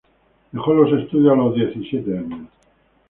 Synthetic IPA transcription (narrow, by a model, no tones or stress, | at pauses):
exolosest̪ud̪jalod̪jeθisjet̪eaɲːe